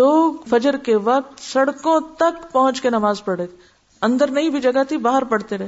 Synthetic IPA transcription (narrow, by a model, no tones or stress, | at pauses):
loːɡfɐd͡ʒəɾkeʋɐk̚t̪sɐɽkõt̪ɐkpɐɦʊ̃t͡ʃkenɐmaːzpɐɽeːt̪e | ɐ̃nd̪əɾnɐɦĩbʱid͡ʒɐɡat̪ʰibaːɦəɾpɐɽ̤t̪eɾɛɦ